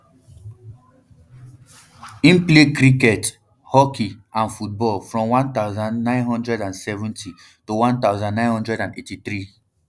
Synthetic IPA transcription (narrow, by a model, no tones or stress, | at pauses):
ĩnplekɾikɛt | hɔkiãnfut̚bɔlfɹɔ̃mwãnt̪aʊzãnːãɪ̃nɦɔ̃ndɹɛdãnsɛvũntʰi | tuwãnt̪aʊzãnːãɪ̃nhɔ̃ndɹɛdãnetiθɹi